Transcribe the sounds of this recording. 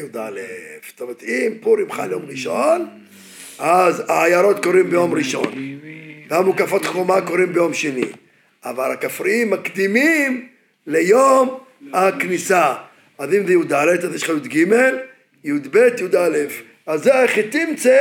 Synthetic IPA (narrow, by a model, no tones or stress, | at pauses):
jud̪a̰lefst̪omet̪impuɾimχanlejomʁiʃon | ʔazaːjaɾo̞t̪koʁimbejo̞mʁiʃo̞̰nveamukafot̪χomakoʁimbejo̞mʃenḭ | ʔa̰valakafʁiimːakd̪imim | lejom | aknisa | azimzejud̪alet̪azjeʃχajud̪ɡimel | jud̪bet̪jud̪alef | azːeeχit̪imt͡se